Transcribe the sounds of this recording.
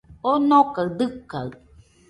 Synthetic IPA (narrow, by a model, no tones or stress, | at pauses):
onõkaɯd̪ɨkːaɯ